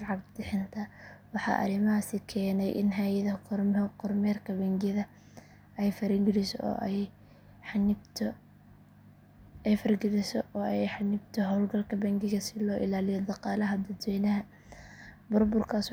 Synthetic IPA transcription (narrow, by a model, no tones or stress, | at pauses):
ʕɑbd̪ɪħɪnt̪ʰɐwɑħɑ̰ːʔɐ̰ɾɪmɐɦaːsɪkʰɛːnɛjʔɪ̰nɦaːjɐðɐrqʊrmɛːrkʰɐbɐŋɡɪðɐ | ɛjfɐɾɪŋɡɪɾɪsɔ̰ɔ̰ː | ħnɪbt̪ʰ | ɛjfɐrɡɪɾɪsɔʔɔːɛjħɑnɪbt̪ʰɔɦɔlɡɐlkʰɐbɐŋɡɪɣɐsɪlɔːʔɪ̰laːlɪjɔd̪ɑqɑːlɐɦɐd̪ɐd̪wɛːnɐɦɐ | bʊrbʊrkʰaːs